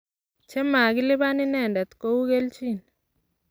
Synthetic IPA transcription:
t͡ʃɛ˦ma˨ɡɪ˦lɪ˦βa˦nɪ˦nɛ˦˨ndɛ˨t̪ko˦wu˦ɣe˦lt͡ʃi˦˨n

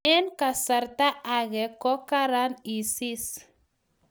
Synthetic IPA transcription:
e˦nka˨sa˨ɾt̪a˦ʔaɣekɔ˦kaɾani˨sis

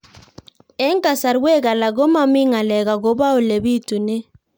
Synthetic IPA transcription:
ɛ˦ŋ˦ka˨sa˨ɾwe˦ɡa˨la˨ɡo˦ma˦mi˦ŋa˨lɛ˨ɡa˨ɡo˨˦ba˦o˨le˨bi˦tu˨ne˦

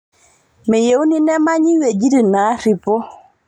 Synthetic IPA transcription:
me˨je˨u˦ni˦nɛ˦ma˦ɲi˦we˨d͡ʒi˦di˨na˨˦ɾi˨po˦

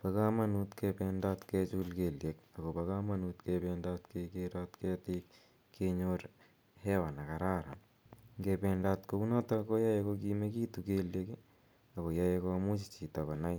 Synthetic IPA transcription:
pa˦ka˦ma˦nutkɛpɛnda˦tkɛt͡ʃulkeljek̚a˨ko˨paka˦ma˦nutkepɛnda˦tkekeɾatkɛtik | kʰːeɲoɾ | hɛ˦wa˨na˨ka˨ɾa˦ɾa̰ | ŋɡepɛndaː˦tko˦ku˦na˦tako˦ja˦jekok̬ime˦ki˦tukeljeke | a˨ko˨ja˦jeko˦mu˦t͡ʃi̥t͡ʃi˨ta˨kɔ˨na˦j

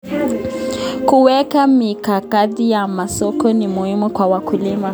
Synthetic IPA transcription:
ku˨wɛ˦ka˦mi˨ka˨ka˦di˦ja˨ma˨sɔ˦kɔ˦nɪ˨mʊ˨hi˦mʊ˦kwa˨wa˨kʰu˨li˦ma˦

